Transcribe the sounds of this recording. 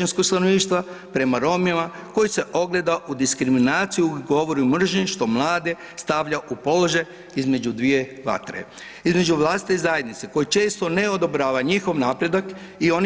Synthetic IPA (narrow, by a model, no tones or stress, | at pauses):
anskokst̪anoʋniːʃt̪ʋa | pɾe̞maɾo̞mjema | ko̞jise̞ʔo̞ɡle̞d̪aʔud̪iskɾiminaːt̪sijuuɡo̞ʋo̞ɾumr̩ʒɲiʃt̪o̞mlˠaːd̪e | st̪aʋʎaʔupo̞loʒaj | izme̞d͡ʒud̪ʋije̞ʋa̰t̪ɾḛ | izme̞d͡ʒuʋlˠaːsit̪eizaje̞d̪nit̪seko̞jit͡ʃe̞ːst̪o̞neod̪o̞bɾaːʋaɲixo̞ʋnaːpɾe̞d̪ak | io̞n